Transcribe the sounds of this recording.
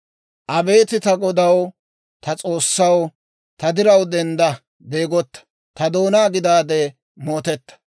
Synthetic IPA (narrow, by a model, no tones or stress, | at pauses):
ʔɐbe̞ːt̪ɪt̪ɐɡɔd̪ɐw | t̪ʰɐt͡sʼo̞ːsːɐw | t̪ɐd̪ɪɾɐwd̪ɛnd̪ɐ | be̞ːɡɔt̪ːɐ̥ | t̪ɐd̪o̞ːnaːɡɪd̪aːd̪e | moːt̪ɛt̪ːɐ̥